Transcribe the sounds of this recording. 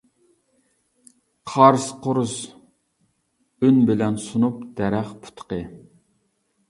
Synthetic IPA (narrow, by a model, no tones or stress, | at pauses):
qʰɑɾsqʰoɾus | ynbɪlɛnsunupd̪̥ɛɾæχpʰu̥t̪qə